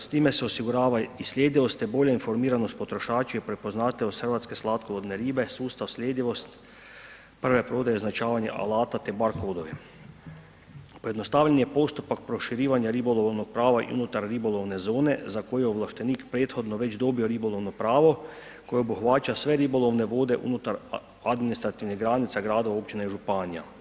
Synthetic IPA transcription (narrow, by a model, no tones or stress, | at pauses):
st̪iːmɛsɛosiɡuɾaːʋaisljeːd̪iʋost̪jɛboʎainfoɾmiːɾanost̪̚pot̪ɾoʃaːt͡ʃujɛpɾepoznaːt̪ɛoxəɾʋat̪skeslaːt̪kolod̪neɾiːbɛsuːst̪awsled̪iʋost̪ | pr̩ʋɛpɾoːd̪ajeoznat͡ʃaːʋaɲa̰ʔa̰laːt̪at̪ɛbaɾkoːd̪oʋi | pojed̪nost̪aːʋʎanjepo̞st̪upak̚pɾo̞ʃiɾiːʋaɲjaɾibolˠoʋʋnoɡ̚pɾaːʋaʔḭṵnut̪aɾːiboloʋnezo̞ːne̞zako̞jeoʋlˠaʃt̪eniːkpɾeːt̪xo̞d̪noʋe̞t͡ʃd̪o̞bio̞ɾibolo̞ʋnopɾaːʋo̞ | kojeobuxʋaːt͡ʃasʋeɾibo̞lˠoʋneʋo̞ːd̪e̞ʔṵnut̪aɾ | ad̪minist̪ɾat̪iʋniɦɡɾaːnit̪saɡɾaːd̪oʋao̞pt͡ʃineiʒupaːnija̰